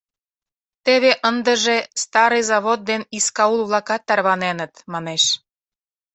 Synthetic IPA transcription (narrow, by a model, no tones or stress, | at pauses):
t̪eβeʔənd̪əʒest̪ɑɾɤjzɑβot̪̚d̪eniskɑulβlɑkɑt̪ːɑrβɑnenət̪mɑneʃ